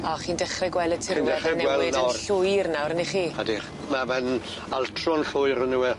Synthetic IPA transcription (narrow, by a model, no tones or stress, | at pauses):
ɔχiːndɛχrɛɡwɛlˠətʰɪdɛχɛnɛwɛlɪnəɬʊjrnawɾəniχiːhadi | mamɛn | altʰrɔnɬʊɨɾənuwɛ